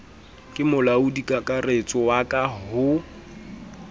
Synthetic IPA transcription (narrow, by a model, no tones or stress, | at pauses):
kʼɪmʊlaʊdikʼakʼaret͡sʼɔwakʼaɦʊ